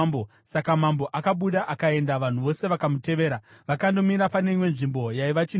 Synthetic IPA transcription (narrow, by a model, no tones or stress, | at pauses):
bo | sakamambo̞ʔakaɓuɗaʔakae̞ndaʋan̤uʋo̞se̞ʋakamute̞ʋe̞ːɾaʋakando̞miɾapane̞imwe̞nʐimbo̞jaiʋat͡ʃi